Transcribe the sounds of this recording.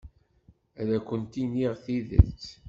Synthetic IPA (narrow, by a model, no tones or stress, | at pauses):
æðækʷːənt̪iniʁθiðə̰lt͡sː